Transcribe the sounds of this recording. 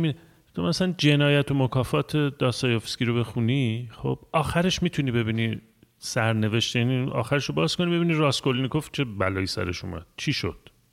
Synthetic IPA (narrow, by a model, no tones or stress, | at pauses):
mi | t̪ʰomæsælænd͡ʒe̞nɒːjæt̪ʰo̞mokʰɒːfɒːt̪ʰe̞d̪̥ɒːst̪ɒːjofskʲiɾo̞be̞xuniːχo̰b̥ɒːxæɾe̞ʃmiːt̪ʰuniːbe̞biːni | sæɾne̞ve̞ʃt̪jæniʔɒ̰ːxæɾeʃobɒːz̥kʰo̞niːbe̞biːniːɾɒːskolnikʰoft̪̚t͡ʃʰe̞bælɒːjisæ̰ɾe̞̰ʃṵmæ̰d̪̥̚t͡ʃʰiːʃo̰d̪̥